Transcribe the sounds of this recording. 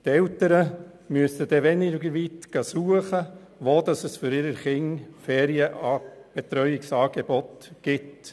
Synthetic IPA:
t̪ɛltəɾə | myəstəd̥̪ɛʋɛnɪɡəɾʋit̪ɡ̥ɑsuəχə | ʋoːd̪ɑsəsfʏɾɪɾəɾχɪŋfɛːɾiəʔɑb̥ɛt̪ɾœʏɪksɑːɡ̥ɛbɔt̪ɡ̥ɪt

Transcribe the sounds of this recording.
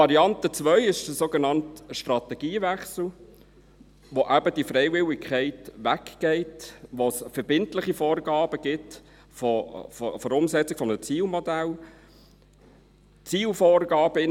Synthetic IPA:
ɑɾiɑntət͡sʋœʏɪʃdəsoːɡenɑntʃtrɑtɛɡ̥iːvæχsl̩ | ʋoʔæbədifɾɛɪvɪlɪkʰχɛɪtʋækɡ̥ɛɪtʋosfɛɾbɪntlɪχifɔːrɡɑːb̥əɡ̥ɪt | fɔffɔɾʊmsɛt͡sɪɡ̥fɔmət͡siːlmɔd̪æl | t͡siːlfɔːrɡɑːb̥əɪn

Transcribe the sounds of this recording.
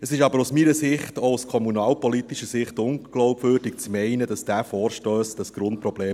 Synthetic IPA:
əsɪʃɑbəɾusmiːɾəsɪχtouskʰɔmunɑːlpɔlit̪iʃəsɪχtʊŋɡ̥lɔʊpʋøːɾdik̚t͡smɛɪnədɑsd̥æːfɔːɾʃtøːsd̥ɑsɡ̥ɾʊnt̚pɾɔb̥leː

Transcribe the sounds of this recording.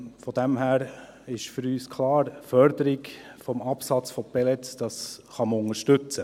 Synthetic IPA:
fɔd̥̪ɛmɦæːɾ | ɪʃfʏɾyːskʰlɑːɾfœɾd̥̪əɾɪkfɔmɑpsɑt͡sfɔpɛlɛtd̥ɑsχɑməʊŋəɾʃtʏt͡sə

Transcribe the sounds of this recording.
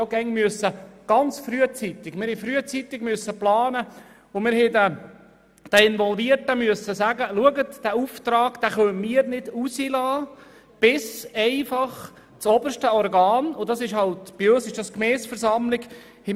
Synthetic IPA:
oɡɛŋmyəsːəɡ̥ɑnt͡sfɾyət͡sit̪ɪɡmɪɾhɛfɾyət͡sit̪ɪɡmyəsːəplɑːnə | ʊmɪɾhɛdɛ | d̥ɛɪnʋɔlviərtəmyəsːəsæɡəluəɡətd̥æːuft̪ɾɑːɡd̥æːχœmiəɾnɪd̥usilɑː | b̥ɪsɛɪfɑχ | t͡sɔbəɾʃtəɔrɡɑːnʊdɑsɪʃhɑltb̥iøsɪʃd̥ɑskmɛːsfəɾsɑmlɪɡ | hɛ

